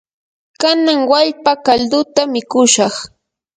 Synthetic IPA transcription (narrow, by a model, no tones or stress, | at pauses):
kanaŋwaʎpakaʎd̪ʊt̪amɪkʊʃɑχ